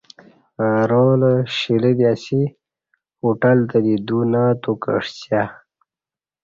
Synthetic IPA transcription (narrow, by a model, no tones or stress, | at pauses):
aɾoləɕiləd̪iasi | uʈalt̪ad̪id̪unat̪ukə̰ʂt͡ɕja